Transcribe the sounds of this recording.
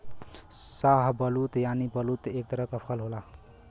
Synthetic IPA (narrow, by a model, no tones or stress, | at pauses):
saɦbəlut̪janibəlut̪ek̚t̪əɾəkəpʰəlɦola